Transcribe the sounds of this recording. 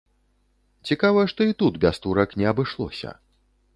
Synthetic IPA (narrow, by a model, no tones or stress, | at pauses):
t͡sʲikavɐjɛʂt̪ɔit̪ud̪bʲast̪uɾɐknʲɛɐbɨʂlˠɔ̰sʲɐ̰